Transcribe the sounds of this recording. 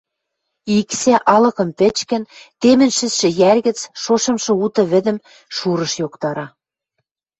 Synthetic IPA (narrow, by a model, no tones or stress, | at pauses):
iksæʔɑlɤ̆kɤ̆mpɘ̆t͡ɕkɘ̆nt̪emɘ̆nʃɘ̆sʃɘ̆jærɣɘ̆t͡sʃoʃɤ̆mʃɤ̆ut̪ɤ̆βɘ̆d̪ɘ̆m | ʃuɾɤ̆ʃjokt̪ɑɾɑ